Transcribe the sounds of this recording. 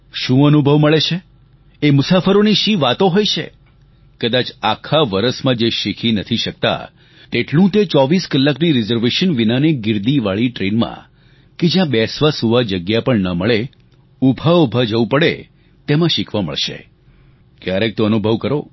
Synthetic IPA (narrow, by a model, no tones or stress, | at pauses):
ʃũənubʱəʋməɭet͡ʃʰe | emʊsafəɾoniʃiʋat̪oɦojt͡ʃʰḛ | kəd̪at͡ʃakʰaʋəɾəsmãd͡ʒeʃikʰinət̪ʰiʃək̚t̪a̰ | t̪eʈlũt̪et͡ʃɔʋiskəlːakniɾɪzəɾʋeʃənʋinaneɡɪɾd̪iʋaɭiʈɾenmã̰ | ked͡ʒjãbɛsʋasuʋad͡ʒəɡjapəɳnəməɭe | ubʱaubʱad͡ʒəʋũpəɭḛ | t̪emãʃikʰʋamə̰ɭʃḛ | kjaɾek̚t̪õənubʱəʋkəɾo